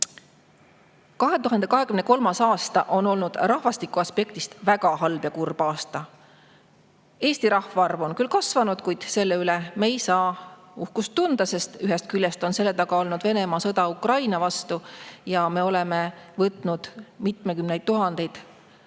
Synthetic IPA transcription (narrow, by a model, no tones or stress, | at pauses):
kɑɦe̞t̪uɦɑnd̪e̞kɑɦe̞kymne̞ko̞lmɑsɑːst̪ɑʔo̞no̞lnud̪̥rɑhvɑst̪ikːˑuɑspe̞kt̪ist̪væɡɑɦɑlb̥jɑkurb̥ɑːst̪ɑ | e̞ːst̪iɾɑhvɑrvo̞nkylkɑsvɑnud̪̥kujd̪̥se̞lːe̞yleme̞jsɑː | uhkust̪ːund̪̥ɑse̞st̪yɦest̪̚kylːest̪o̞nse̞lːet̪ɑɡ̥ɑo̞lnud̪ve̞ne̞mɑsɤd̪ɑukrɑjnɑvɑst̪ujɑme̞o̞le̞me̞vɤt̪ˑnud̪̥mit̪mekymnejd̪̚t̪ːuɦɑnd̪̥e̞jd̪̥